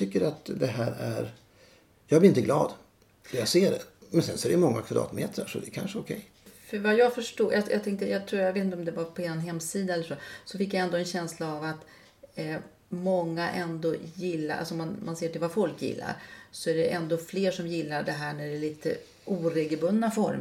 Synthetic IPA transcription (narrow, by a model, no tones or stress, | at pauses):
ʏkːəɾat̪d̪ɛɦæːɾæɾ | jɑːɡblɪɾɪnt̪əɡlɑːd̪ | d̪ɛjɑɡseːɖɛ̰mɛnsɛnsɔɛɾɛjmɔŋːakʰvad̪ɾɑ̰ːt̪mḛːt̪ʰɾə̰ʂɔd̪ɛkʰa̰nʂəɔkʰɛj | fœɾvajɑːɡfœʂʈuːjajat̪ʰɛŋkt̪əjɑt̪ʰɾuːjaveːt̪ɪnt̪ɔmd̪ɛvapʰɔɛnɦɛmːsiːd̪aɛlːəʂosɔfɪkːjaɛnd̪oːɛnɕɛnslaːvat̪ | mɔŋːaʔɛnd̪oːjɪlːa̰ʔa̰lsɔmanmanseːʈʰɪlvafɔlkjɪ̰lːa̰ɾsɔæɖɛʔɛnd̪oːfleːʂɔmjɪlːaɖɛɦæːɳæɖɛɭiːt̪ʰə̰ | ʔuːɾeːɡəlbɵnːafɔɾm